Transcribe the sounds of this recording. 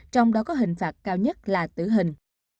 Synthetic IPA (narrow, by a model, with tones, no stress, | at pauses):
t͡ɕɔ˧wŋ͡mɗɔ˨˦kɔ˨˦ɦï˨˩ŋ̟faː˨˩t̚kaː˧wɲə˦˥t̚laː˨˩t̪ɨ̰˧˩ɦï˨˩ŋ̟